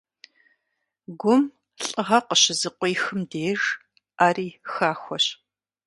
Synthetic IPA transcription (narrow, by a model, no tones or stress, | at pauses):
ɡʷʊm | ɬʼɨʁɐqəɕɪzɨqʷʼɔjxɨmdeːr | aːɾiːxaːxʷɔɕ